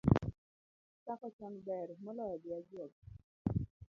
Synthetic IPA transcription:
takɔt͡ʃaŋbɛrmɔlɔjɔdɪad͡ʒɔk̚

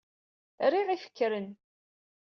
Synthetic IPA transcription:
ɾiʁifə̥kːɾən

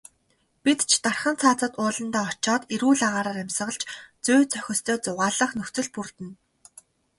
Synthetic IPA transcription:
pit̪t͡ɕʰt̪arχə̆nt͡sʰaːt͡sə̆t̪ʊːɮə̆nt̪aːɔt͡ɕɔːt̪iɾuːɮaʁaːɾaːɾæmʲsə̆ʁə̆ɮt͡ɕt͡sʊːt͡sœxʲɪ̆st̪ʰœːt͡sʊʁaːɮə̆χnɵxt͡sɵ̆ɮpurt̪ɘ̆n

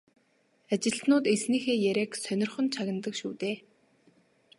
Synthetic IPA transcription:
at͡ɕɪ̆ɬt̪nʊːt̪esniːxeːjæɾʲæːksœnʲɪ̆rχɵ̆nt͡ɕʰaɣɪ̆nt̪ə̆kʃṵːt̪eː

